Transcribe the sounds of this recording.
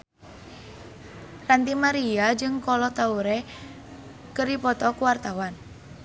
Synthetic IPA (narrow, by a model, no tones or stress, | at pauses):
rant̪imaɾiad͡ʒɨŋkɔlɔt̪auɾe | kəɾipɔt̪ɔkuwart̪awan